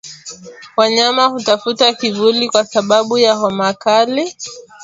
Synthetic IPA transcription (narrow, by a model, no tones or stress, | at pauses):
waɲamahutafutakivulikwasaɓaɓujaɦɔmakali